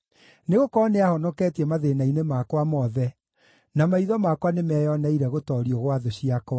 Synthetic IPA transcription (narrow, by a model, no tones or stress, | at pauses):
neɣokɔneahɔnɔkɛtɛmaðenainemakwamɔðɛ | namaiðɔmakwanemɛjɔnaiɾɛɣotɔɾiɔɣwaðoɕiakwa